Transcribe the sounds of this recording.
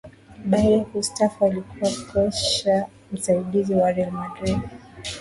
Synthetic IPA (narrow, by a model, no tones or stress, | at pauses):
ɓajɛhustafaalikuwapʰɔʃa | m̩saiɗiziwaɾɛalmadɾidi